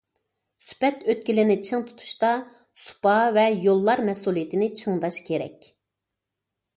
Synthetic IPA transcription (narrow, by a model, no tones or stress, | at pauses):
sy̥pɛt̪øt̪̚kʲilɪnɪt͡ʃʰɨŋt̪ʰu̥t̪ʰu̥ʃt̪ɑ | su̥pɑvɛjolˠːɑɾmɛsulˠijet̪ʰɪnɪt͡ʃʰɨŋd̪ɑʃkʲʰeɾɛ̰kʲ